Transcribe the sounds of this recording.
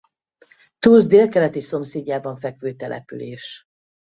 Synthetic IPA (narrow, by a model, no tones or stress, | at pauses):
t̪uːzd̪eːlkɛlɛt̪iso̞mseːɟːaːbɒɱfɛkʋøːt̪ɛlʔɛ̰py̰leːʃ